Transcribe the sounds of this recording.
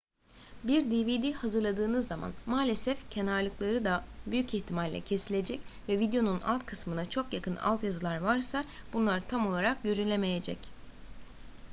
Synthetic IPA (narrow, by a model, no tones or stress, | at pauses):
biɾd̪ivid̪ihazɯɾlˠad̪ɯːnɯzːama̰nmaːlʲe̞sɛfcʰe̞naɾlˠɯklˠaɾɯd̪abyjyciçt̪ʰimalʲːɛ̰cʰe̞silʲe̞d͡ʒɛcvɛvid̪jo̞nunʔa̰lˠt̪kʰɯsmɯnat͡ʃʰo̞kjakʰɯna̰lˠt̪jazɯlˠaɾvaɾsabunlˠaɾt̪ʰamo̞lˠaɾak̚ɟøɾynlʲeme̞jed͡ʒɛ̰c